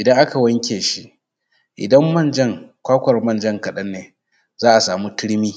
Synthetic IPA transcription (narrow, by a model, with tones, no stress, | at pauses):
ʔɪ˨dɐ˦ŋʔa˦ka˨wɐ˦ŋkʲeː˨ʃi˦ʔ | ʔɪ̰˨dɐ˦mːɐ˦˨nd͡ʒɐ˦˨ŋkʷaː˦kʷɐ˨rmɐ˦nd͡ʒɐ˦ŋkɐ˨ɗɐ˦nːeː˨ | zaː˦ʔa˨saː˨mu˦tɪ˦ɽmiː˦